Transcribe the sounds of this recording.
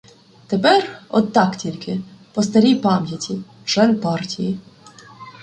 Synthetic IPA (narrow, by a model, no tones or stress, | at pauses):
t̪epɛrɔ̰d̪t̪ɑktʲilʲkɪpɔst̪ɐɾʲijpɑmʲjɐtʲi | t͡ʃɛnpɑrtʲiji